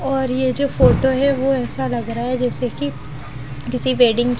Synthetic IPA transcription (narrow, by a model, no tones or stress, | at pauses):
ɔːɾjed͡ʒoːfoːʈoɦɛʋoɛːsalɐɡɾaaɦɛd͡ʒɛːseki | kɪsiʋeːɖɪ̃ŋɡ